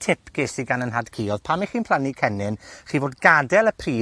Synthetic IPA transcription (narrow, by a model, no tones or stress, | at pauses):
tʰɪpʰɡ̥ɪsiɡanənɦadkʰiːɔðpʰamiχiːnpʰl̥ˠanikʰɛnɪnχiːvoːdɡadɛlˠəpʰriː